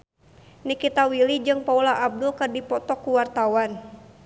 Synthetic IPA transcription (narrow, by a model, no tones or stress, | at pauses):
nikit̪awilid͡ʒɨŋpaulaʔab̚dʊlkərdipɔt̪ɔkːuwart̪awan